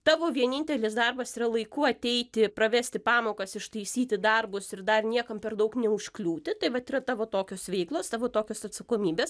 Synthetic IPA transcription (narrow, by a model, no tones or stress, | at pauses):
t̪ɑːʋoːʋʲiɛnʲɪnʲt̪ʲɛlʲɪsd̪ɐrbɐsiːɾɐlˠɐɪkʊɐt̪ʲɛɪt̪ʲɪpɾɐʋʲæːsʲt̪ʲɪpɑːmoːkɐsɪʃt̪ɐɪsʲiːt̪ʲɪd̪ɐrbʊsɪɾd̪ɐrnʲiɛkɐmpʲɛrd̪ɐʊknʲɛʊʃʲklʲuːt̪ʲɪt̪ɐɪʋɐt̪iːɾɐt̪ɑːʋoːt̪oːkʲoːsʋʲɛɪklˠoːst̪ɑːʋoːt̪oːkʲoːsɐt̪sɐkoːmʲiːbʲeːs